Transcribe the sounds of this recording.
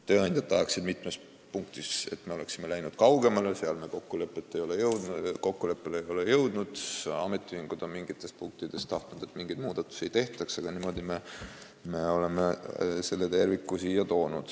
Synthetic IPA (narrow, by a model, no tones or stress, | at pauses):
t̪øːɑnʲd̪ʲjɑt̪ːɑɦɑksid̪mit̪ːmes | puŋkt̪ise̞̰t̪ːmeole̞ksime̞læjnud̪̥kɑwɡ̥e̞mɑleseɑlme̞ko̞kːule̞pːˑet̪ːe̞jo̞le̞jɤwd̪ko̞kːule̞pːe̞leejo̞le̞jɤwd̪̥nud̪̥ɑ̰me̞t̪ːˑihiŋɡ̥ud̪̥o̞nmiŋɡ̥it̪ːˑe̞spuŋk̚t̪id̪̥e̞st̪ɑht̪nud̪̥e̞t̪ːmiŋɡ̥ijd̪muːd̪ɑt̪ːˑu̥sejt̪e̞ht̪ˑɑksɑɡ̥ɑnimo̞d̪̥ime | me̞o̞le̞me̞se̞lːe̞t̪e̞rvikːusiːjɑt̪o̞ːnud̪̥